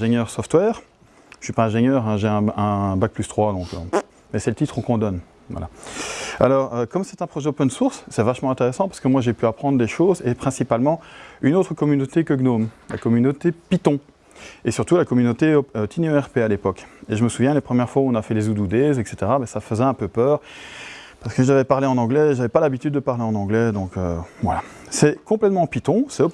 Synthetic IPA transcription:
ʒeɲjœʁsɔft̪wɛːʁ̥ | ʃɥipaɛ̃ʒeɲjœːʁɛ̃ʒeɛ̃ɛ̃bak̚plyst̪χwad̪ɔ̃kø̰ | mɛsɛlət̪it̪χɔ̃kɔ̃d̪ɔn | vwa̰la̰ | a̰lɔʁøkɔmsɛt̪ɛ̃pχɔʒɛopɛnsuʁsːɛvaʃmɑ̃ɛ̃t̪eʁɛsɑ̃paʁsə̥kəmwaʒepyapχɑ̃d̪ʁd̪eʃozepχɛ̃sipalmɑ̃ynot̪χəkɔmynot̪ekəɡnomla̰kɔmynot̪epit̪ɔ̃ | esyʁt̪ulakɔmynot̪eoøt̪ʰineøɛʁpealepɔkeʒəməsuvjɛ̃lepχəmjɛʁfwaɔ̃nafɛlezud̪ud̪ɛzɛkset̪eʁabɛsafəzɛɛ̃pøpœːʁ | paʁsəkəʒavɛpaʁleɑ̃nɑ̃ɡlɛʒavɛpalabit̪yd̪ːəpaʁleɑ̃nɑ̃ɡlɛd̪ɔ̃kø̰vwa̰la | sɛkɔ̃plɛt̪mɑ̃pit̪ɔ̃sɛp

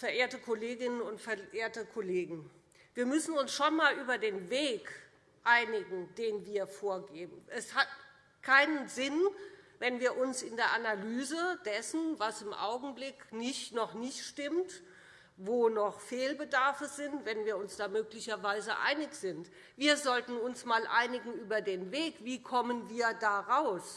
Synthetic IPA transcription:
fɛɐʔeːɐtəkʰɔleːɡɪnənʊntfɛɐʔeːɐtəkʰɔleːɡŋ̩ | viːɐmʏsn̩ʊnsʃonmaːlʔyːbɐdeːnveːk | ʔaɪnɪɡŋ̩d̥eːnviːɐfoːɐɡeːbm̩ʔɛshat | kʰaɪnənzɪnvɛnviːɐʔʊnsɪndeːɐʔanalyːzəd̥ɛsn̩vasɪmʔa̰ʊɡŋ̩blɪknɪçtnɔχnɪçtʃtɪmt | voːnɔχfeːlbədaɐfəzɪntv̥ɛnviːɐʊnsd̥aːmøːklɪçɐvaɪzə̰ʔa̰ɪnɪçz̥ɪnt | viːɐzɔltn̩ʊnsmaːlʔa̰ɪnɪɡŋ̩ʔyːbɐdeːnveːkviːkʰɔmənviːɐdaːʁaʊs

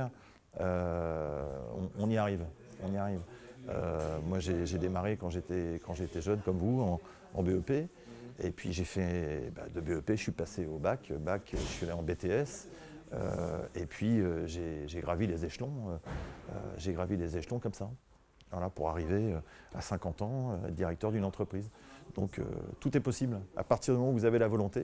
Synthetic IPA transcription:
ø | ɔ̰̃ɔ̃niaʁivɔ̃niaʁivø̰mwaʒeʒed̪emaʁekɑ̃ʒet̪ɛkɑ̃ʒeːt̪ɛʒənkɔmvuɑ̃ | ɑ̰̃beøpe | epɥḭʒefɛba̰d̪əbeøpeʒəsɥipaseobakøbakʰøʒəsɥialeɑ̃bet̪eɛs | ø̰epʰɥiøʒeʒeɡʁavilezeʃlɔ̃øø̰ʒeɡʁavilezeʃlɔ̃kɔmsa | valapuʁaʁiveøa̰sɛ̃kɑ̃t̪ɑ̃øɛ̰d̪iʁɛk̚t̪œʁd̪ynɑ̃t̪χəpχizd̪̥ɔ̃kʰø̰t̪ut̪ɛpɔsibla̰paʁt̪iʁd̪ymɔmɑ̃uvuzavelavɔlɔ̃t̪e

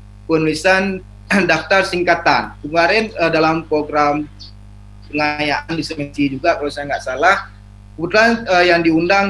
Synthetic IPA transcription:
kanlisan | daft̪arsiŋkat̪ankəmaɾɛnədalampɾoɡɾam | pəŋajaʔandisəmɛnsid͡ʒuɡakalowsajaŋɡaʔsalah | kəbut̪ulanəjaŋdiundaŋ

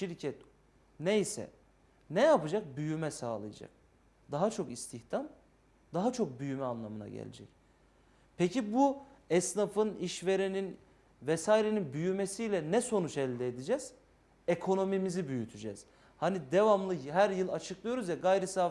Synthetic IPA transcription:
ʃiɾcʰɛt̪ | nejsɛ̰ | nɛjapɯd͡ʒak̚byjymɛsaːlˠɯ̰ja̰d͡ʒa̰k̚ | d̪̥aɦat͡ʃʰo̞kist̪ʰiçt̪ʰam | d̪aɦat͡ʃʰo̞k̚byjymɛanlˠamɯna̰ɟḛlʲḛd͡ʒɛ̰c | pʰecibuɛsnafɯniʃveɾenin | vɛsaːjiɾe̞ninbyjymesijlʲɛnɛso̞nut͡ʃɛlʲd̪ɛːd̪id͡ʒɛz̥ | ekʰo̞no̞mimizibyjyt̪ʰyd͡ʒɛ̰z̥ | hanid̪evamlˠɯɦæɾjɯlˠat͡ʃʰɯklˠɯjo̞ɾuzvɛɡajɾisaː

